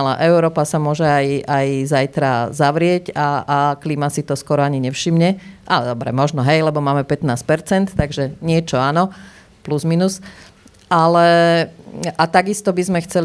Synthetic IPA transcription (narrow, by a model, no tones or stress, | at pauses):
la̰ʔɛʊɾɔːpasamʊɔʒɛajajzajt̪ɾazaʋɾɪɛɟaːklimasit̪ɔskɔɾɔaɲiɲɛfʃimɲɛʔalɛd̪ɔbɾɛ̰mɔʒnɔɦɛjlɛbɔmaːmɛpɛt̪naːsc̚pɛɾt͡sɛnt̪ːaɡʒɛɲɪɛt͡ʃɔanɔ | pluzminus | alɛ | ʔat̪aɡist̪ɔbizmɛxt͡sɛl